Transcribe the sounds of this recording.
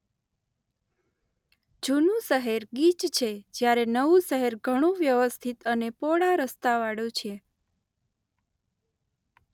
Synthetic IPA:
d͡ʒunũsəɦeɾɡit͡ʃt͡ʃʰed͡ʒjaɾenəʋũsəɦeɾɡʱəɽ̃ũʋjəʋəst̪ʰit̪ənepoɽaɾəst̪aʋaɽjũt͡ʃʰe

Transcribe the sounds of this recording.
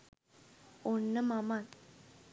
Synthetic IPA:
onːəmaman

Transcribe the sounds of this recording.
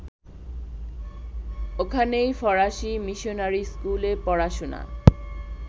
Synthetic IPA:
okʰanejfɔɾaʃimiʃonaɾiskulepɔɽaʃona̰

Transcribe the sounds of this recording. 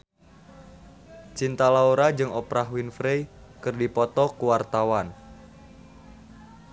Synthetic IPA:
t͡ʃint̪alauɾad͡ʒɨŋɔpɾaɦwinfɾejkɨrdipɔt̪ɔkuwart̪awan

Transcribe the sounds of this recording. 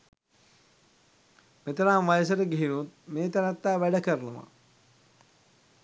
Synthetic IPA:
met̪əɾaːmʋajəs̬əɾəɡiɦinut̪̚meːt̪anat̪ːaːʋæɖəkəɾənəʋa̰

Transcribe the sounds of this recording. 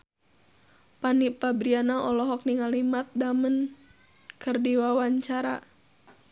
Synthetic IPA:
panipabɾianaɔlɔɦɔk̚niŋalimat̪̚damən | kərdiwawaɲt͡ʃaɾa̰

